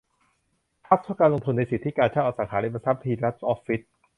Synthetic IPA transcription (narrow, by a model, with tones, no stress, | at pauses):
pʰa˦˥t̪ʰu˥˩kaː˧nlo˧ŋt̪ʰu˧nːa˧jsi˨˩t̪ʰːi˦˥kaː˧nt͡ɕʰa˥˩ʔaː˨˩saː˩˥kʰaː˩˦i˧˥˩pʰːa˧˩sa˦˥p̚t̪ʰiː˧la˦˥t̪̚ʔɔː˦˥pfːi˦˥t̪̚